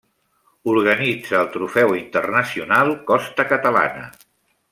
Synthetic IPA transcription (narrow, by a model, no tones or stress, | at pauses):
uɾɣənid͡zəːlˠt̪ɾufɛwint̪ərnəsiunalˠkɔst̪əkət̪əla̰nə̰